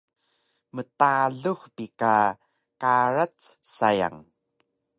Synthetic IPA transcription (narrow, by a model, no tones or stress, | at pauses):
mətaɮuxpika | kaɾat͡ssaja̰ŋ